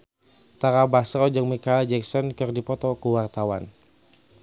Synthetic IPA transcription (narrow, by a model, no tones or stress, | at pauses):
t̪aɾabasɾɔd͡ʒəŋmikald͡ʒɛksɔnkɨrdipɔt̪ɔkuwart̪awan